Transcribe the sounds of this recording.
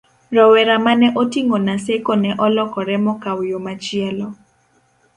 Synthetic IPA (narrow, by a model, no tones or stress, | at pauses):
rɔwɛɾamanɛʔotiŋonasekonɛʔɔlɔkɔɾɛmɔkawjomat͡ʃɪɛlɔ